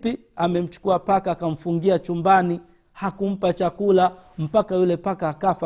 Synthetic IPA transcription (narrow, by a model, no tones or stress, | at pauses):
pi | amɛm̩t͡ʃu̥kuapakaːkam̩fuŋɡiat͡ʃumbani | hakum̩pat͡ʃakulam̩pakajulɛpakaːkafa